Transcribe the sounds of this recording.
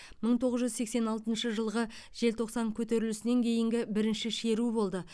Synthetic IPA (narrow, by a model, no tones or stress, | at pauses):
məɴt̪ʰo̞ʁəzʒʏzse̞kse̞nɑlˠt̪ənʃəʒəlˠʁə | ʒ̥e̞lt̪ʰo̞qsɑŋkʲʰɵt̪e̞ɾɪlɪsɪne̞ŋkʲʰe̞jɪŋɡʲɪbɪɾɪnʃɪʃe̞ɾubo̞lˠd̪ə